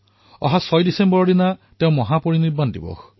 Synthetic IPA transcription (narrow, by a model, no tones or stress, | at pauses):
ɔ̰ɦasɔjdisembɔɹɔdinatew̃mɔɦapoɹiniɾbandḭbɔ̰